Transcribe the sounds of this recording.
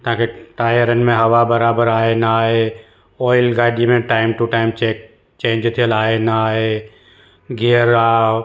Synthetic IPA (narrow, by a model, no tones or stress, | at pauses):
t̪ãːkeʈaːjəɾənmẽɦɐʋabɐɾaːbəɾaːenaae | ɔːɪlɡaːɪɖimẽʈaːɪmʈuʈaːɪmt͡ʃek̚ | t͡ʃẽːnd͡ʒt̪ʰəlaːenaaːe | ɡeəɾa